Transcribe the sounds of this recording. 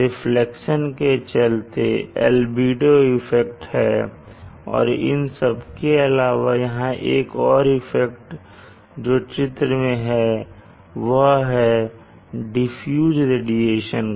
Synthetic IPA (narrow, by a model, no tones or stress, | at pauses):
ɾɪflɛkʃənket͡ʃəlt̪eɛ̰lbiːɖoɪfʰɛkʈhɛː | ɔ̰ːɾɪ̰nsəbkeɐlaːʋajɐɦãʔeːkɔːɾɪfʰɛkʈ | d͡ʒoːt͡ʃɪt̪ɾəmẽɦɛ | ʋɐɦɦɛ | ɖɪfʰjuːzɾeːɖieːʃən